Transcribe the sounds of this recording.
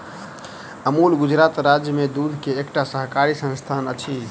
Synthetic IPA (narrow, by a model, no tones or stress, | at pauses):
əmulɡud͡ʒɾat̪ɾad͡ʒjəmed̪ud̪ʱkeːkʈasəɦkaɾisə̃nst̪ʰanət͡ʃʰi